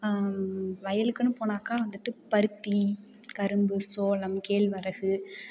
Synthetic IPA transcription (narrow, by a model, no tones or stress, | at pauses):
ʋɐjɐlɯkːɯnːɯpoːnaːkaːʋɐnd̪ɯʈːɯpɐɾɯt̪ːi | kɐɾɯmbɯsoːlɐmkeːɭʋɐɾɐɣɯ